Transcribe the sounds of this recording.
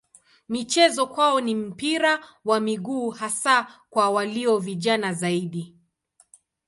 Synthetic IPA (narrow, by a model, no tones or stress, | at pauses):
mit͡ʃɛzɔkwaɔnim̩piɾawamiɠuːhasakwawaliɔviʄanazaiɗi